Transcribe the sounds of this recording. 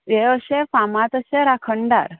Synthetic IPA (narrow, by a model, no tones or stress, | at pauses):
eəʃefamat̪əʃeɾakʰəɳɖa̰ɾ